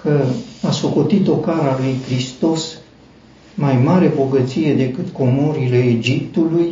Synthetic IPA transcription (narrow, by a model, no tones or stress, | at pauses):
kəasoko̞t̪it̪o̞kaɾalujkɾist̪o̞s | majmaɾe̞bo̞ɡət̪sije̞d̪e̞kɨt̪ko̞mo̞ɾile̞ːd͡ʒip̚t̪uluj